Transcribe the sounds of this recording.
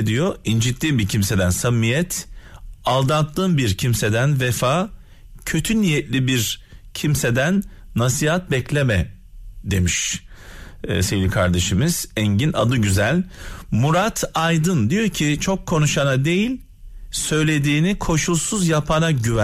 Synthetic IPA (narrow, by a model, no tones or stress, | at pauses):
d̪ijoind͡ʒit̪lʲiːnbicʰimse̞d̪ænsamːijɛt̪ʰ | alˠd̪ant̪lˠɯːnbiɾcʰimse̞d̪ænvɛfaː | cʰø̞t̪ʰynijɛt̪lʲibiɾcʰimse̞d̪ænː | asiɦat̪̚bɛclʲemɛ | d̪e̞miʃ | sejlʲikʰaɾd̪e̞ʃɯmɯz̥ɛɲɟina̰d̪ɯɟyzælʲmuɾat̪ʰajd̪ɯnd̪ijo̞cʰit͡ʃʰo̞kʰːo̞nuʃanad̪e̞jilʲ | sø̞jlʲe̞d̪iːnikʰo̞ʃulˠsuzjapʰanaɟyvæ